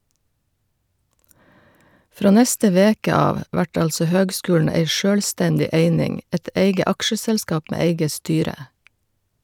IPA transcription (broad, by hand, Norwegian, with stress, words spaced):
ˈfɾoː ˈnɛstə ˈʋeːkə ˈɑːʋ ˈʋæʈ ˈɑlsɔ ˈhøːɡˌskʉːln̩ ˈæɪ ˈʃøːlˌstɛndɪ ˈeɪnɪŋ ˈɛt ˈeɪɡə ˈɑkʃəsɛlˌskɑːp ˈmeː ˈeɪɡə ˈstyːɾə